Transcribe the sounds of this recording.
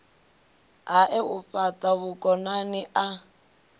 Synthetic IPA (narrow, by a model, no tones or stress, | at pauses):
ɦaʔɛufataβukʼɔnaniʔa